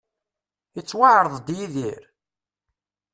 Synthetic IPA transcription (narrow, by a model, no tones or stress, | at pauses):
ət͡sːwaʕɾˤəðˤd̪jiðiɾ